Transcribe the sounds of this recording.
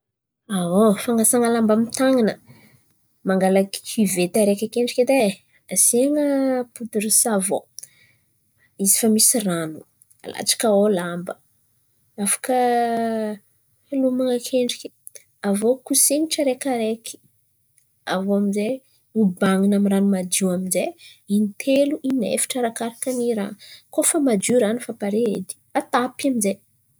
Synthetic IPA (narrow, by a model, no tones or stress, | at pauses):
aofaŋasaŋalambamit̪aŋinə | maŋɡalaki̥ivet̪aɾekʲakeɳɖ͡ʐikʲid̪e | aziaŋəpud̪uɾisavo | izi̥famisiranu̥ | a̰la̰t͡ʃḁkaolambə | afḁkə | lumaŋakʰeɳɖ͡ʐiki̥ | avokuseŋiʈ͡ʂəɾekaɾekʰi̥ | avoamize | ubaŋinamiɾanumad͡ʒuaminzeinit̪ʰeluʔinḛfi̥ʈ͡ʂaɾakaɾakaniɾa̰kofəmad͡ʒuɾanufapaɾeed̪i̥at̪apaminze